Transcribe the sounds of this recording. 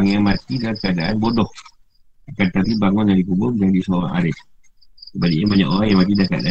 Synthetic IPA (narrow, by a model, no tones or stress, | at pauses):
aŋjamat̪idakəadaʔanbɔdɔh | akant̪aɾibaŋɔnd͡ʒadikubʊrd͡ʒaŋdisola̰a̰ɾɪs | kəbaliabaɲa̰ʔoɾaŋjamat̪idaka̰da̰